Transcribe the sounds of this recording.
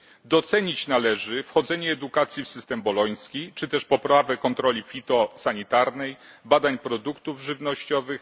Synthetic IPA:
d̪ɔt̪sɛɲit͡ɕnalɛʐɘfxɔd̪zɛɲɛːd̪ukat̪sʲjifsɘst̪ɛmbɔlɔj̃skʲit͡ʂɘt̪ɛʂpɔpɾavɛkɔnt̪ɾɔlʲifʲit̪ɔsaɲit̪aɾnɛj | bad̪aɲpɾɔd̪ukt̪uvʐɘvnɔɕt͡ɕɔvɘx

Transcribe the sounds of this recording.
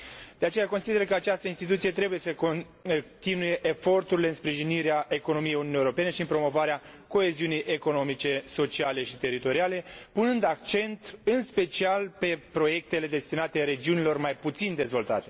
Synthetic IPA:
d̪̥eat͡ʃe̞jako̞nsid̪e̞ɾəkəat͡ʃast̪əinst̪it̪ut̪sije̞t̪ɾe̞buje̞səko | t̪inuje̞ʔefo̞rt̪uɾileɨnspɾiʒiniɾeaʔe̞ko̞no̞mijejununiewoɾope̞ne̞ʃiɨnpɾo̞mo̞vaɾea | ko̞e̞ziunijʔe̞ko̞no̞mit͡ʃe̞so̞t͡ʃiale̞ʃit̪e̞ɾit̪o̞ɾiale̞punɨnd̪akt͡ʃe̞nt̪ɨnspe̞t͡ʃialpe̞pɾo̞je̞k̚t̪e̞le̞d̪e̞st̪inat̪e̞ɾe̞d͡ʒiunilo̞rmajput̪sind̪e̞zvo̞lt̪a̰t̪e̞

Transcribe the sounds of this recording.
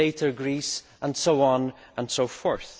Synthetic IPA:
eɪʔə˞ɡɹis | ʔə̃nsoʊɔ̃nʔə̃nsoʊfɔɹθ

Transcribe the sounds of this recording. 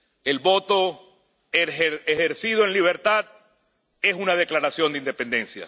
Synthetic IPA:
e̞lβo̞t̪o̞ | eexeɾsið̞oe̞nliβ̞e̞ɾt̪að | e̞sunað̞eklaɾasjo̞nd̪ind̪e̞pe̞nd̪e̞nsja̰

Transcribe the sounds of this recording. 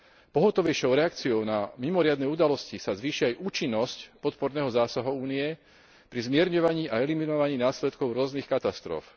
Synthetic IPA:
pɔɦɔt̪ɔʋɛjʃɔʊɾɛak̚t͡siɔʊnamimɔɾɪad̪nɛːud̪alɔscisazʋiːʃiajʔuːt͡ʃinːɔscpɔt̪pɔɾnɛːɦɔzaːsaɦɔuːniɛ | pɾizmɪɛɾɲɔʋaɲiːʔaɛliminɔʋaɲiːnaːslɛt̪kɔʊɾʊɔznixkat̪ast̪ɾɔ̰f

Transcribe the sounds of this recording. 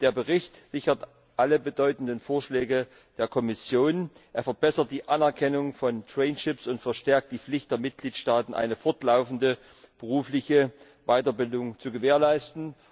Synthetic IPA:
d̥eːɐbəʁɪçtz̥ɪçɐt | ʔaləbədɔʏtn̩dənfoːɐʃlɛːɡə | d̥eːɐkʰɔmɪsjoːnʔeːɐfɛɐbɛsɐt̚d̥iːʔanɛɐkʰɛnʊŋfɔntʁ̥ɛɪnʃɪpsʊntfɛɐʃtɛɐk̚t̚d̥iːflɪçtd̥eːɐmɪt̚ɡ̥liːtʃtaːtn̩ʔa̰ɪnəfɔɐtlaʊfn̩də | b̥əʁuːflɪçə | vaɪtɐbɪldʊŋt͡suɡəveːɐlaɪstn̩

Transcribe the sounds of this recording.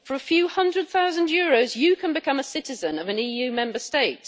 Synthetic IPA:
fəɹəfjʉːhʌ̃ndɹəd̪̚θaʊzə̃njɔːɹoʊzjəkʰə̃nbɪkʰʌ̃məsɪtɪzə̃nəvə̃niːjʉːmɛ̃mbəsteɪt

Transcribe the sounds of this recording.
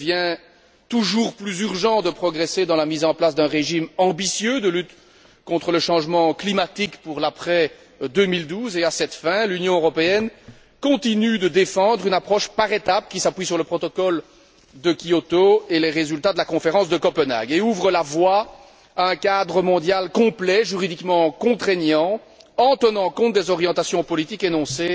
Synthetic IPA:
vjɛ̃ | t̪uʒuːʁplyzyʁʒɑ̃d̪əpχɔɡʁɛsed̪ɑ̃lamizɑ̃plasd̪œ̃ʁeʒimɑ̃bisjød̪əlyt̪ | kɔ̃t̪χələʃɑ̃ʒmɑ̃klimat̪ikpuʁlapχɛ | d̪ømild̪uːzeasɛt̪fɛ̃lynjɔ̃øʁɔpeɛn | kɔ̃t̪inyd̪əd̪efɑ̃d̪ʁynapχɔʃpaʁet̪ap̚kʲisapɥisyʁləpχɔt̪ɔkɔl | d̪əkʲiɔt̪oeleʁezylt̪ad̪əlakɔ̃feʁɑ̃sd̪əkɔpəna̰ɡeuvʁəlavwa | aɛ̃kad̪ʁəmɔ̃d̪jalkɔ̃plɛʒyʁid̪ikmɑ̃kɔ̃t̪χenjɑ̃ | ɑ̃t̪ənɑ̃kɔ̃t̪̚d̪ezɔʁjɑ̃t̪asjɔ̃pɔlit̪ikenɔ̃se

